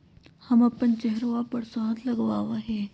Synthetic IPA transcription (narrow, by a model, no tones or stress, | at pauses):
hɐmɐpənt͡ʃɛɦɾʋapɐɽsɔːd̪lɐɡʋaːʋaɦɛː